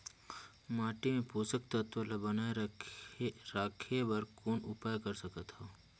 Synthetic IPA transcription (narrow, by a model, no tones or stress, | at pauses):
maːʈemẽpoːsək̚t̪ɐt̪ʋəlabɐnaːe | ɾaːkʰebɐɾkoːnʊpaːjkɐɾsɐkət̪ɦoː